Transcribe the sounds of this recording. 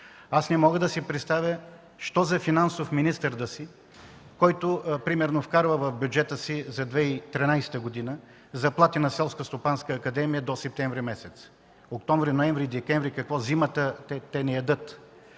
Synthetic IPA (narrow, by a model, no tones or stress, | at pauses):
asnɛmɔɡəd̪ɐsipɾɛt̪st̪avʲjə | ʃt̪ɔzɐfinansofminist̪əɾd̪əsi | kɔjt̪opɾimɛɾnofkaɾvəvɐfbjud͡ʒɛt̪əsizɐd̪vɛit̪ɾinajsɛ̥t̪əɡod̪inə | zɐplˠat̪inɐsɛlˠskəst̪opanskəːkɐd̪ɛmijəd̪osɛp̚t̪ɛɱvɾimɛsɛt̪s | ok̚t̪ɔɱvɾinoɛɱvɾid̪ɛkɛɱvɾikɐkvɔzimət̪ət̪ɛt̪ɛnɛjɐd̪ɤt̪